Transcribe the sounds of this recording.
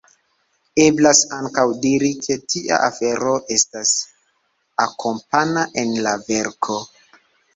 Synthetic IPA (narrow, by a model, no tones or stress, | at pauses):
e̞blasaŋkawdiɾikʰe̞tʰiʔa̰ʔafe̞ɾo̞ʔe̞stas | akʰo̞mpanaʔe̞nlave̞ɾkʰo̞